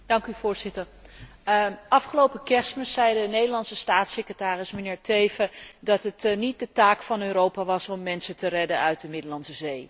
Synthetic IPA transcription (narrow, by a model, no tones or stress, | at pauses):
d̥ɑŋkyvʊːɹz̥ɪtəɹ | ʔɑfχəlowpəkɛsməsɛjdənejdəlɑnsəstaːtsekrətaːrɪsmənɪːɹtejvədɑtətnit̚dətaːkfɑnøːɾowpaːʋɑsɔmːɛnsətərɛdənœɥt̚dəmɪdəlɑnsəzej